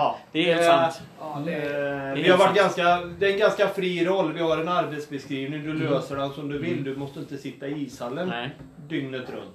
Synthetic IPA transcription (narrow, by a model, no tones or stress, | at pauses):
d̪̥ɛɛ | d̪ɛvɪhaɾvaʈːɡanskad̪ɛɛnɡanskafɾiːɾɔlːvɪhaɾɛnaɾbɛt̪sbɛskɾiːvnɪŋd̪ɵløːsəɖɛnsɔmd̪ɵvɪlːd̪ɵmɔst̪əɪnt̪əsɪt̪ːaɪiːshalːən | d̪ʏŋnət̪ɾɵ̰nt̪